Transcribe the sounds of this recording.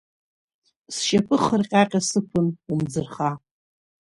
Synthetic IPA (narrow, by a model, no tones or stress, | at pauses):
sʃapʰɨχərqʲʼaqʲʼasɨpʷʰɨnumd͡zɨrχa